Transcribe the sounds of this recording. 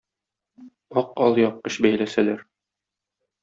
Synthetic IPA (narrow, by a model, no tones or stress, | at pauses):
ɒqɒlˠjɒp̚qɤɕbæjlæsælæɾ